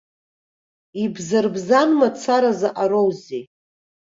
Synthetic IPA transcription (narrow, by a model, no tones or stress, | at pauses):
ibzɨrbzanmat͡sʰaɾazaʔaɾowzi